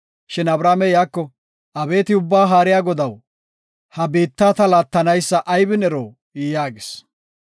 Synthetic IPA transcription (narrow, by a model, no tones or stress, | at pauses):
ʃɛnɐbɾaːmɛjaːkːɔ | ɐbe̞ːt̪ɪʊbːaːɦaːɾɪjaːɡɔd̪ɐw | hɐbiːt̪ːaːt̪ɐlaːt̪ːɐnɐjsːɐʔɐjbɪnɛɾoː | iːjaːɡɪs